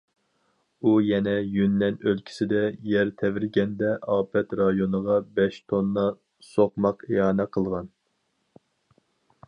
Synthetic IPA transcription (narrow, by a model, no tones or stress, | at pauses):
ujɛnɛjynːɛnølkʲʰi̥sɪd̪ɛjɛɾt̪ʰɛvɪɾɡʲɛnd̪ɛʔɑːpʰɛt̪ɾɑjonəʁɑbɛʃt̪ʰonːɑ | soqmɑqeɑːnɛqʰəlˠʁɑn